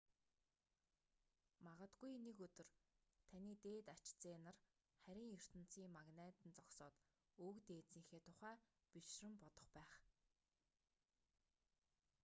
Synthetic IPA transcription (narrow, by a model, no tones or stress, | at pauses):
maʁə̆t̪ɡujnekɵt̪ɵ̆rt̪ʰaniːt̪eːt̪at͡ɕt͡seːnə̆r | χæɾʲĭːŋjɵr̥t̪ə̆n̥t͡siːŋmaɣneːt̪ɘ̆nt͡sɔksɔːt̪ | oːkt̪eːt͡siːxeːt̪ʰʊχæː | piʃrɘ̆mpɔt̪ɞ̆χpæːχ